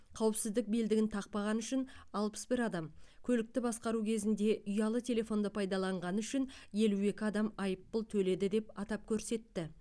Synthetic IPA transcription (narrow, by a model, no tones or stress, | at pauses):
qʰɑwəpsɪzd̪ɪk̚be̞ld̪ɪɡʲɪnt̪ʰɑq̚pɑʁɑnʏʃɪnɑlˠpə̥sbɪɾɑd̪ɑmkʲʰɵlɪk̚t̪ɪbɑsqɑɾukʲʰe̞zɪnd̪e̞ʔʏjɑlˠət̪ʲʰe̞le̞fo̞nd̪əpʰɑjd̪ɑlˠɑɴʁɑnʏʃɪnje̞lue̞kʲɪɑd̪ɑmɑjəpːəlˠt̪ʰɵle̞d̪ɪd̪e̞pɑt̪ɑp̚kʲʰɵɾse̞t̪ːɪ